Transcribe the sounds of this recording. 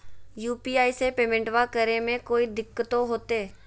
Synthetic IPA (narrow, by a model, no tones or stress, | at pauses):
juːpiːaːisepeːmẽːɳʈʋakəɾemẽkoːid̪ɪkːət̪oɦoːt̪eː